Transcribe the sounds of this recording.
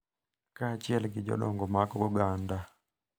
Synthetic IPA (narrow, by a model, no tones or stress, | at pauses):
kat͡ʃɪɛlɡɪd͡ʒɔ̰ɗɔŋɡɔmakɔɡɔɡanda